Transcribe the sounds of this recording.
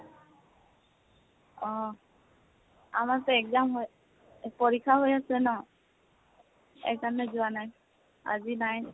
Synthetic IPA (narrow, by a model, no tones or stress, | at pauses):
ɔ | amatɛɛkzamɦoj | pɔɹikʰːaɦojasɛnɔ | ɛ̰kzanɛzʊanaj | a̰zinaj